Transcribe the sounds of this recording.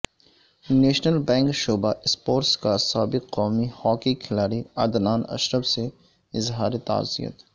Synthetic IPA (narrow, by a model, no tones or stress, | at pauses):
neːʃnəlbɛ̃ːŋkʃoːbaʔɪspoːɾʈskasaːbɪqːɔːmihɔːkikʰɪlaːɾiɐ̰d̪naːnɐ̰ʃɾəbse | ɪzɦaːɾit̪a̰ːzḭjə̰t̪